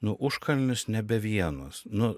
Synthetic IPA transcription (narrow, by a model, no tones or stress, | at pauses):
nʊʔʊʃkɐlʲnʲʊsnʲɛbʲɛʋʲiɛnoːsnʊ